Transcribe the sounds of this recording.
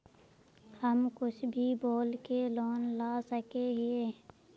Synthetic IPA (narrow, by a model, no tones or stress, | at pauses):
həmkʊt͡ʃʰbʱiboːlkeloːnlaːsəkeɦɪe